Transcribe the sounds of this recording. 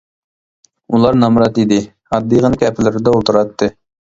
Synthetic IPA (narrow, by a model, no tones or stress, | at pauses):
ulˠɑɾnɑmɾɑt̪id̪ɪ | ɑd̪ːijʁənkʲʰɛpʰɪlɪɾɪd̪ɛolˠt̪ʰɨɾɑt̪ʰːɨ